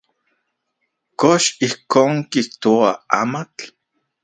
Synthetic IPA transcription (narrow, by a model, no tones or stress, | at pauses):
koʃihkoːŋkiht̪oaa̰ːmat͡ɬ